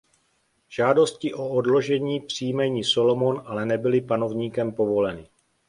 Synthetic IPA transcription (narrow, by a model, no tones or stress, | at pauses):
ʒ̥aːdo̞scɪʔo̞odlo̞ʒɛɲiːpr̝̥iːmɛɲiːso̞lo̞monʔalɛnɛbɪlɪpano̞vɲiːkɛmpo̞vo̞lɛnɪ